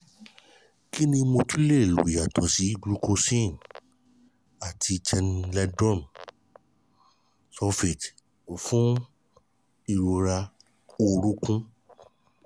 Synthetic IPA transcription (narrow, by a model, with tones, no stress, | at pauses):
ki˦nĩ˧mo˧tu˦le˦˨lu˨i˨ja˨tɔ˨si˨˦ɡɾu˦˧ko˧sĩ˦˨n | a˨tʰi˧t͡ʃɛ˧nlɛ˧dɔ̃˦˨m | sɔ˧fe˨t | o˨fũ˦ | i˦˧˨ɾo˧ɾa˧ | o˧ɾu˦kũ˦